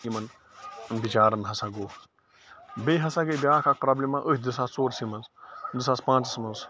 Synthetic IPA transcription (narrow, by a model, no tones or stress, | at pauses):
imɐn | nbit͡ʃaːɾɐnɦɐsaɡoː | beːɦɐsaɡebʲjaːkʰak̚pɾaːblʲimãʔəhʲd̪isaːst͡soːɾsimɐnzd̪ɨsaːspãːnt͡sɐsmɐnz